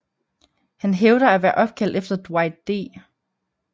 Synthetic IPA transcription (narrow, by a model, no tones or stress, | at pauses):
hænɦeʊɾ̥ɐæʋæːɐʔɒ̽b̥̚kʰæl̰d̥efd̥ɐd̥wɑ̈ɪdd̥e̝̰ː